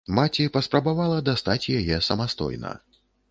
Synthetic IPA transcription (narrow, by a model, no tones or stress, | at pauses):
mat͡sʲipɐspɾɐbavalˠɐd̪ast̪at͡sʲjajɛsɐmast̪ɔ̰jnɐ̰